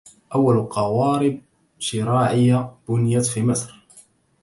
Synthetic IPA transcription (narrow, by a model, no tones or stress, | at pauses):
ʔawːalqɑwɑːɾɪb̚ | ʃɪɾaːʕɪjːab̥ʊnjat̪fiːmɪsɾ